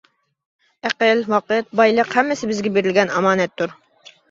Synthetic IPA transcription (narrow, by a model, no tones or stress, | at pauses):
æqəlwɑqɨt̪̚bɑjlˠəqhɛmːɪsɪbɪzɡʲɛbeɾɪlɡʲɛnɑmɑːnɛt̪ʰːuɾ